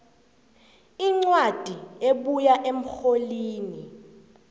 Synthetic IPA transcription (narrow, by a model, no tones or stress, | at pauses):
iŋ͡ǀwad̥ʱieɓujaʔem̩xoliːni